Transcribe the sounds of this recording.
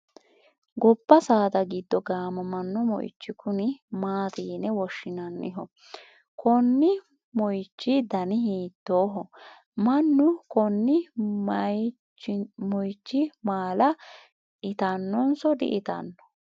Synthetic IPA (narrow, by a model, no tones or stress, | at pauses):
ɡɔbːɐsaːd̪ɐɡɪd̪ːɔɡaːmɐmɐnːɔmɔ̰j̰t͡ʃːɪkʊnɪmaːt̪iːnɛwɔʃːɪnɐnːɪ̰ɦɔ | kɔnːɪ | mɔjt͡ʃːɪd̪ɐnɪhiːt̪ːoːɦɔ | mɐnːʊkɔnːɪ | mɔjt͡ʃːɪmaːlɐ | ʔɪt̪ɐnːɔnsɔd̪ɪ̰ʔɪt̪ɐ̰nːɔ̥